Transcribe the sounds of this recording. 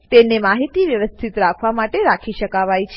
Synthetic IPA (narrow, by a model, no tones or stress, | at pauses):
t̪enemaɦit̪iʋjəʋəst̪ʰit̪ɾakʰʋamaʈeɾakʰiʃəkaʋajt͡ʃʰ